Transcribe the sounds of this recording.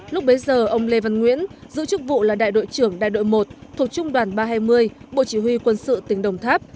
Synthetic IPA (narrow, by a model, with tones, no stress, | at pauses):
lʊ˦˥k͡p̚ɓe˨˦jzəː˨˩ʔə˧wŋ͡mle˧va˧nŋwḭ˧˥ənzɨ̰˧˥t͡ɕɨ˦˥k̚vṵ˧˨laː˨˩ɗa̰ː˧˨jɗo̰˧˨jt͡ɕɨ˧˩əŋɗa̰ː˧˨jɗo̰˧˨jmo˨˩t̚t̪ʰu˨˩t̚t͡ɕʊ˧ŋ͡mɗwaː˨˩nɓaː˧ɦaː˧jmɨ˧əjɓo̰˧˨t͡ɕi˧˩hwi˧kwə˧nsɨ̰˧˨t̪ï˨˩ŋ̟ɗə˨˩wŋ͡mt̪ʰaː˦˥p̚